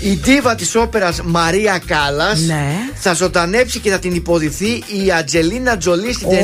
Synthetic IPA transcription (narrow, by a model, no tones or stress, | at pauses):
id̪ivɐt̪iso̞pe̞ɾɐzmɐɾiɐkɐlɐseθɐzo̞d̪ɐne̞psice̞θɐt̪inipo̞ðiθiiɐd͡ʒe̞linɐd͡zo̞list̪it̪e